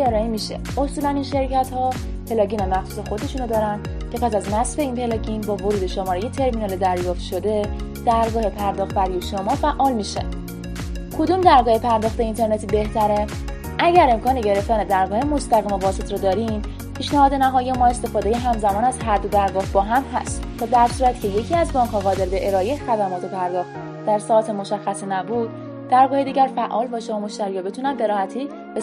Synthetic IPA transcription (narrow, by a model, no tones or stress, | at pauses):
eɾɒːemiʃḛ | osuːlæninʃe̞ɾcʰæt̪hɒː | pʰe̞lɒːɡiːnæmːæxsuːsexo̞d̪e̞ʃunod̪ɒːɾæn | cʰe̞pʰæsæzmæsfe̞iːnpʰe̞lɒɟinbɒːvoɾuːd̪e̞ʃomɒːɾeje̞t̪ʰe̞ɾminɒːled̪æɾjɒːft̪ʃo̞d̪e̞d̪̥æɾɡɒːhepʰæɾd̪ɒːxt̪̚bæɾijeʃomɒːfæʔɒːlmiːʃḛ | kʰo̞d̪umd̪æɾɡɒːhe̞pʰæɾd̪ɒːxt̪eint̪ʰe̞ɾnet̪ʰibe̞ht̪ʰæɾe̞ | ʔæɟæɾe̞mkʰɒːne̞ɟeɾe̞ft̪æne̞d̪æɾɡɒːhemo̞st̪æɣiːmevɒːse̞t̪ʰɾɒːd̪ɒːɾim | pʰiːʃnæhɒːd̪enæɦɒːjemɒːe̞st̪e̞fɒːd̪eje̞ɦæmzæmɒːnæzɦæɾd̪od̪æɾɡɒːhbɒːɦæmɦæ̰st̪t̪ʰɒːd̪æɾsuːɾæt̪cʰe̞je̞cʰiæzbɒːŋkʰhɒːɣɒːd̪e̞ɾbe̞ʔeɾɒːexæd̪æmɒːt̪ʰe̞pʰæɾd̪ɒːxt̪ | d̪æɾsɒːt̪ʰemo̞ʃæxːæsinæbuːd̪̥̚ | d̪æɾɡɒːhed̪iːɟæɾfæʔɒːlvæʃeɒmo̞ʃt̪æɾiːɾɒbe̞t̪ʰunænbe̞ɾɒːhæt̪ʰiː | be